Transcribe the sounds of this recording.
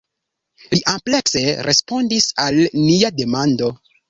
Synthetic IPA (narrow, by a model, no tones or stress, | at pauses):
liʔample̞kse̞ɾʔespo̞ndisalniade̞mando̞